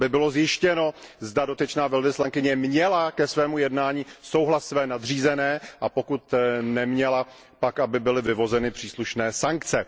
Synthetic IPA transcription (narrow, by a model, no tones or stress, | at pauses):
bɪbɪlo̞zjɪʃcɛno̞zdado̞t̪ɪt͡ʃnaːvɛlvɪslaŋkɪɲɛmɲɛlakɛsvɛːmujɛdnaːɲiːso̞wɦlassːvɛːnadr̝iːzɛnɛːʔapo̞kut̪nɛmɲɛla | pakʔabɪbɪlɪvɪvo̞zɛnɪpr̝̥iːsluʃnɛːsaŋkt͡sɛ